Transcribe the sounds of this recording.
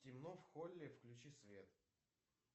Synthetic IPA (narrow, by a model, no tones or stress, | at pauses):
tʲɪmnofxolʲːɪfklʲʉt͡ɕisvʲet̪